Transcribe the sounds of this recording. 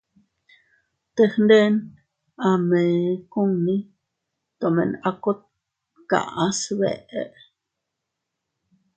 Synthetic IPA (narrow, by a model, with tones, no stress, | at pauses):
t̪e˧hnd̪e˦n | a˧mẽ˨ku˦ŋnĩ˦ | t̪o˨mḛ̃˨na˧ko˦t̪̚ | ka̰˨ʔã˦sβḛ˨ʔʔe˦ʔ